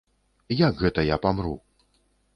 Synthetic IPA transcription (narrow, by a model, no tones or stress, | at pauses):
jakɣɛt̪ɐjapamɾṵ